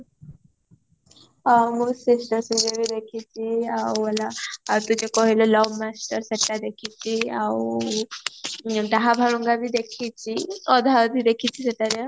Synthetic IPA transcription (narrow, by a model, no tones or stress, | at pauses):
musisʈəɾsuɡebid̪ekʰit͡ɕiawəlat̪ut͡ɕekɔɦilɔlɔwmasʈəɾseʈːad̪ekʰit͡ɕiaw | d̪aɦabʱaɭuŋɡabid̪ekʰit͡ɕiɔd̪ʱad̪ʱid̪ekʰit͡ɕʰiseʈ̪aɾe